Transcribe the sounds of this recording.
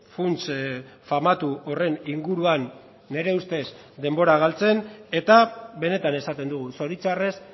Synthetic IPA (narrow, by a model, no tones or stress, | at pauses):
funt͡sfamat̪uore̞niŋɡuɾuanː | e̞ɾe̞ust̪e̞s | d̪e̞mbo̞ɾaɣ̞alt͡se̞ne̞t̪aβe̞ne̞t̪ane̞sat̪e̞nd̪uɣ̞uso̞ɾit͡sare̞s